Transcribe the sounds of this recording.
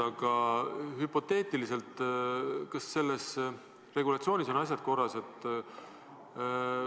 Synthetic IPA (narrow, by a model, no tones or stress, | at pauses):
ɑɡ̥ɑhypo̞t̪ːe̞ːt̪ˑilise̞lt̪ˑ | kɑsːe̞lːe̞s | re̞ɡulɑt̪sio̞ːniso̞nɑs̬ʲjɑd̪̥̚ko̞rːɑse̞t̪ˑː